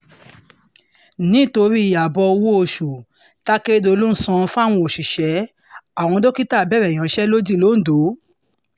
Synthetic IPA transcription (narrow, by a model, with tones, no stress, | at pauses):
nĩ˨˦to˧ɾi˦i˨ja˨bɔ˧wo˦o˧ʃu˨ | ta˦ke˦do˧lu˦n̩˦sɔ̃˧fa˦˨w̃ɔ̃˧o˨ʃi˨ʃɛ˨˦ | a˦˨w̃ɔ̃˧do˦ki˦ta˦˨bɛ˦ɾɛ˨j̃ã˨˦ʃɛ˦lo˦d͡ʒĩ˦˨lo˨˦n̩˦do˨˦